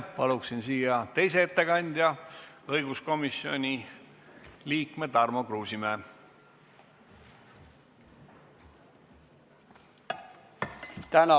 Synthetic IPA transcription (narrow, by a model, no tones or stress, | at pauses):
pɑluksinsiːjɑt̪e̞js̬eet̪ːe̞kɑnʲd̪̥ʲjɑɤjɡ̥usko̞misio̞̰nʲi | liːkme̞d̪ɑrmokruːsimeː | t̪ænɑ